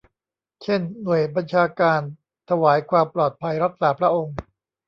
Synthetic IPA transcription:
t͡ɕʰe˥˩nːu˨˩əjba˧nt͡ɕʰaː˧kaː˧n | t̪ʰa˧waː˩˦jkʰwaː˧mplɔː˨˩t̪̚pʰa˧jɾa˦˥k̚saː˨˩˦pʰɾa˦˥ʔo˧ŋ

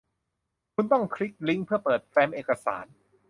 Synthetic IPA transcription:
kʰu˧nt̪ɔ˥˩ŋkʰɾi˦˥k̚li˦˥ŋpʰɯ˥˩ɐpɤː˨˩t̪̚fɛː˧mʔeː˨˩ka˧sa̰ː˩˦n

